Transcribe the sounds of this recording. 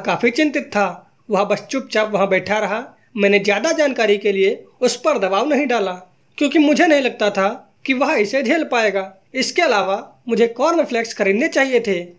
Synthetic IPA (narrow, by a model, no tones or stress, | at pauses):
kaːpʰit͡ʃɪ̃nt̪ɪt̪ʰːa | ʋɐɦbəst͡ʃʊp̚t͡ʃapʋɐɦãbɛːʈʰaɾɐɦa | mɛ̃ːned͡ʒjaːd̪ad͡ʒaːnkaːɾikelieʊspəɾd̪ɐbaːʋnɐɦĩɖaːla | kjõːkimʊd͡ʒʱenɐɦĩlɐɡ̚t̪at̪ʰa | kiʋɐɦɪsed͡ʒʱeːlpaːeːɡaː | ɪskeɐlaːʋamʊd͡ʒʱekɔːɾnɪpʰleːkskəɾiːdnet͡ʃaːɦijet̪ʰe